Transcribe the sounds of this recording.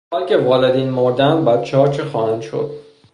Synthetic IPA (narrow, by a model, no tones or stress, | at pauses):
ɒːlcʲe̞vɒːled̪iːnmoɾd̪ænd̪bæt̪t͡ʃʰehɒːt͡ʃʰexɒːhænd̪ʃo̰d̪̥̚